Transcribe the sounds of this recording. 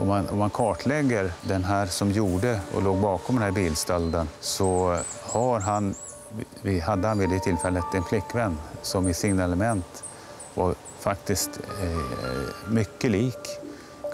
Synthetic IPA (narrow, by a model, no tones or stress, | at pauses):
ɔ̰mːanɔmːankʰɑːʈʰlɛɡːəɾd̪ɛnɦæːɾsɔmjuːɖəɔ̰loːɡbɑːkɔmd̪ɛnɦæːɾbiːlst̪ald̪ənsɔhaɾɦan | vɪhad̪ːəhanvɪːd̪eɪt̪ʰɪlfɛlːət̪ɛnflɪkːvɛnːsɔmɪsɪnɛləmɛnt̪ | vaɾ | fakt̪ɪst̪ | mʏkːəliːk